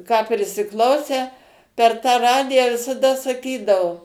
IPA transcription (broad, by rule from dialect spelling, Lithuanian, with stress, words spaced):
kɑː pʲrʲɪsʲɪˈklˠɐʊsʲæː pʲɛr tɑː ˈrɑːdʲɪjæː ʋʲɪsɐˈdɐ sɐˈkʲiːdɐʋoː